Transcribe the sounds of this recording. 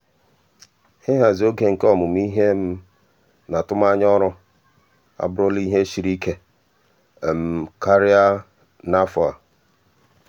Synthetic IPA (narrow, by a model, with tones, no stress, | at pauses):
hɪ˦ɦa˨zo˦ɡe˨ŋ̩˨kɔ˦mʊ˨m˦i˦ɦe˦m̩˦ | na˨tʊ˦m˦a˦ɲ˦ɔ˦ɾʊ˦ | a̰˨bʊ˦ɾʊ˦li˦ɦe˦ʃi˨ɾi˦ke˦˨ | m̩˦ka˦ɾɪ˦a˦ | na˦fɔ˨a̰˨